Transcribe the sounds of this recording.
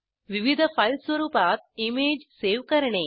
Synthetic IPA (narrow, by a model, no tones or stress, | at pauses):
ʋiʋid̪ʱɐpʰɐjlsʋɐɾuːpaːt̪̚imeːd͡ʒseːʋkɐɾɐɳeː